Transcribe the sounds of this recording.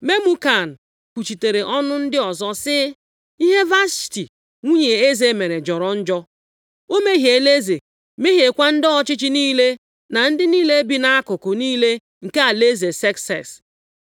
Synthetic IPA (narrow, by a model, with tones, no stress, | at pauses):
me˦mu˦ka˨n̩˨ | kʷu˨t͡ʃi˨te˨ɾe˨ʔɔ˦nʊ˦n̩˦dɪ˦ɔ˨zɔ˦sɪ˦ | i˦ɦe˦va˦sti˨ | ŋʷu˦ɲe˨e˦ze˦me˨ɾe˨d͡ʒɔ˨ɾɔ˨˦n̩˦d͡ʒɔ˦ | o˦me˦ɦje˨le˦ze˨ | me˦ɦe˨kʷa˦n̩˦dɔ˦t͡ʃɪ˦t͡ʃɪ˦niː˦le˦ | na˨n̩˦dɪ˦niː˦le˦bi˨na˦a˦kʊ˨kʊ˨niː˦le˦ | ŋ̩˨ke˦a˨le˦ze˨se˦ksɛ̰˨s